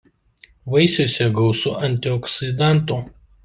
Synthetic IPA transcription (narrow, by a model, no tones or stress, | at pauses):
ʋɐɪsʲoːsʲɛɡɐʊsʊʔɐnʲt̪ʲɪɔksʲɪd̪ɑˑnˑt̪uː